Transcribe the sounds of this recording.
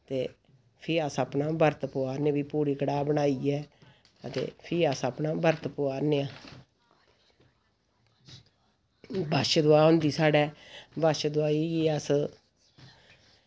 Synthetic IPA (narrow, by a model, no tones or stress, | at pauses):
t̪eː | pʰɪːəsəːpnaːbəɾt̪pʊaːneːbiːpuːɾiːkəɽaːbənaːiːɛː | ət̪ḛːpʰɪɾəsəːpnaːbʱəɾt̪pʊaːneːaː | bəʃd̪ʊaːɦʊ̃nd̪iːsaːɽɛːbəʃd̪ʊaːiːeːəs